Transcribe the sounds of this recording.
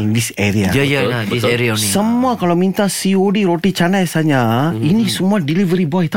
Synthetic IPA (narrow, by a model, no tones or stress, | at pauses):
diseɾiajjiseɾiasəmmuakalamint̪asiodiɾot̪it͡ʃanajsaɲainisəmuadilivəɾibɔjt̪